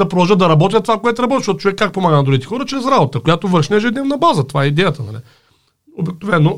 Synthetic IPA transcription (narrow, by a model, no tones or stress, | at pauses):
d̪ɐpɾovɔʒəd̪ɐɾɐbɔt̪jət̪ovakoɛt̪ɾɐbɔt̪ʲiʃɔt̪o̥t͡ʃovɛkːak̚pomaɡənɐd̪ɾuɡʲit̪ɛ̥xɔɾət͡ʃɾɛsɾabot̪əkojat̪ovəɾʃnɛʒɛd̪nɛvnɐbazət̪ovaɛid̪ɛjət̪ənɐ̰lɛ̰ | obiknovɛnːo